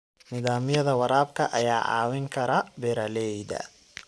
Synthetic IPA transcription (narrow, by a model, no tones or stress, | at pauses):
nɪðaːmɪjɐðɐwɐɾaːb̚kʰɐʔɐjaːʕɑ̰ːwɪŋkʰɐɾɐbɛɾɐlɛjd̪ɐ̰